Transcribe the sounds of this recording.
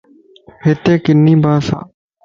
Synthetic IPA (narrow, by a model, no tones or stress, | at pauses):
hɪt̪eːkɪnːĩːbʱaːsã̰ː